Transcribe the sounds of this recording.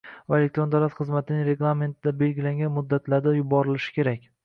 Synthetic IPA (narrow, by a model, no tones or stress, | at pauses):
vaelekt̪ɾo̞nd̪awlat̪χɨzmat̪ʰɪnɪŋɾe̞ɡlˠame̞nt̪ʰɪd̪abe̞lɡʲɪlaŋɡʲanmʊd̪ːat̪ʰlaɾd̪ajʊbɒɾɪlɪʃɪ̥kʲʰe̞ɾakʲ